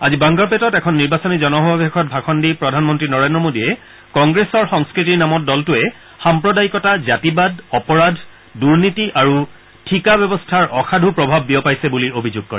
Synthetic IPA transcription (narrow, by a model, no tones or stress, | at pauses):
azibãŋɡapɛtɔtɛkʰɔnːiɹbasɔnizɔnɔɦɔbabekʰɔt̚bʱakʰɔndipɹɔdʱanmɔntɹinɔɹendɹɔmodiɛ | kɔŋɡɹesɔɹxɔŋskɹitiɹnamɔt̚dɔltʊɛ | xampɹɔdaikɔtazatibad̚ʱɔpɔɹadʱ | duɹnitiʔaɹu | tʰikabɛbɔstʰaɹʔɔxʰadʱupɹɔbʱabːiɔpajsɛbuliobʱizuɡ̚kɔ̰ɹɛ